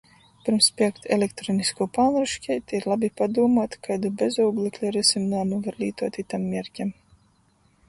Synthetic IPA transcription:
pʲiɾmspʲiɛkt̪ʰelʲekt̪ɾoːniskuːpaːnɾuʃkʲɛjt̪ʲiɾlˠabʲipad̪uɔmaːt̪kajd̪ubʲezuwɡlˠeklʲuɾɛsʲimnaːmuvaɾlʲiːt̪uɔt̪it̪amːʲiɛɾʲcʲɛm

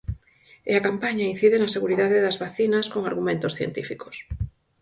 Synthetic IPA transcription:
eakampaɲain̟θiðenɐseɣuɾiðaðeðɐzβaθinɐskoŋaɾɣumẽnt̪osθjḛnt̪ifiko̥s

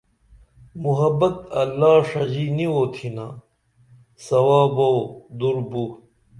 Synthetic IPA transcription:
muɦɐbɐt̪ɐlːaːʂɐd͡ʑiːniwoːt̪ʰinaː | sɐwaːbɐwd̪uɾbuː

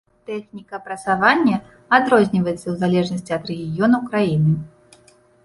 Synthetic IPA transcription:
t̪ɛxnʲikɐpɾɐt̪savanʲːɐ | ad̪ɾɔzʲnʲivɐjɛt̪sːɐwzalʲɛʐnɐsʲt͡sʲiɐd̪ɾɛɣʲijɔnɐwkɾajinɨ

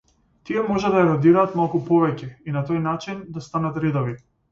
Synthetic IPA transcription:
t̪iɛmɔʒɛd̪ajɛɾɔd̪iɾaːt̪malˠkupɔvɛcɛinat̪ojnat͡ʃind̪ast̪anat̪ɾid̪ɔvi

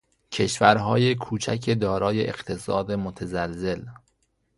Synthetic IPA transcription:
cʰe̞ʃvæɾɦɒːje̞kʰuːt͡ʃʰækʰed̪ɒːɾɒːje̞ʔeɢt̪ʰe̞sɒːd̪e̞mot̪ʰæzælze̞l

